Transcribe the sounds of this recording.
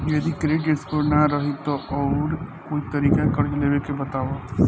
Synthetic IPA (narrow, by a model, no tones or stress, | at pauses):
jɐd̪ikɾeːʈeskonaɾəɦit̪oʔɔːɾkoːit̪ɐɾiːkẽkɐɾd͡ʒleːʋekebɐt̪aːʋo